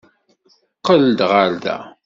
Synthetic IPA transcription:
qəld̪ʁalðæ̰

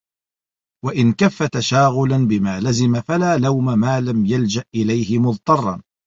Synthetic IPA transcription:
waʔɪnkafːat̪aʃaːɣʊlanbɪmaːlazɪmafalaːlawmamaːlamjald͡ʒaʔʔɪlajhɪmʊðˤt̪ˤɑrˤːɑn

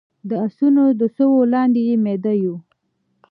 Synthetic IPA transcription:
d̪əasunod̪əsəwolɑnd̪ejemed̪aju

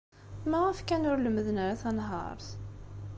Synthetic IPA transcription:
mæʁəfkænʊɾləməðənaɾaθænɦɑ̰ɾˤθ

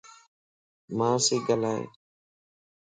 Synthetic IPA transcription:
mãːsiːɡəlaːḛː

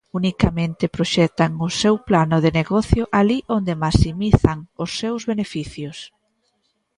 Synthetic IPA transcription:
unikamẽnt̪ɪpɾoʃɛt̪aŋʊsewplanʊð̞eneɣɔθjʊʔaliʔond̪emasimiθaŋʊsːewzβenefiθjʊs

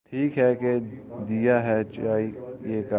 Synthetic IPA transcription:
ʈʰiːkɦɛked̪ijaɦɛt͡ʃaːijeːka

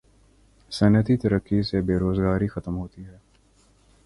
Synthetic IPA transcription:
sɐnət̪it̪ɐɾəkːisebeːɾoːzɡaːɾixɐt̪əmɦoːt̪iɦɛː

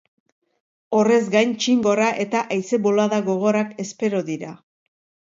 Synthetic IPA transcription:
o̞re̞zɡajnt͡ʃiŋɡo̞raʔe̞t̪aʔajse̞βo̞laðaɣo̞ɣ̞o̞ɾake̞spe̞ɾoðiɾa

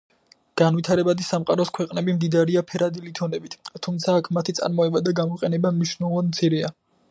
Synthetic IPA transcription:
ɡ̥anvwit̪ʰaɾɛbad̪isamqʼa̰ɾɔskʰwɛqʼnɛbimd̪id̪aɾiapʰɛɾad̪ilit̪ʰɔnɛbit̪ʰt̪ʰːumt̪sʰaːkʰmat̪ʰit̪sʼa̰ɾmɔɛbad̪aɡamɔqʼɛnɛbamniʃnɛlˠɔvad̪̚mt̪sʰiɾia

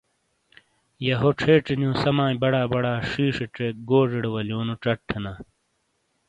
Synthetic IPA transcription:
jɐɦoʈ͡ʂʰeːʈ͡ʂinijõːsɐmaːibɐɽaːbɐɽaːʂiːʂeʈ͡ʂek̚ɡoːʐiɽewɐljoːnuʈ͡ʂɐʈʰːenɐ

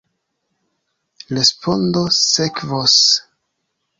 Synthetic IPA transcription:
ɾespʰondosekvos

